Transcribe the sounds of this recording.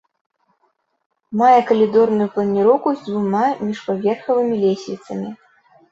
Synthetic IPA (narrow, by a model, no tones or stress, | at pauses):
majɛkɐlʲid̪ɔrnujuplˠɐnʲiɾɔkuzʲd͡z̪ʲvumamʲiʂpavʲɛrxɐvɨmʲilʲesʲlʲit̪sɐmʲi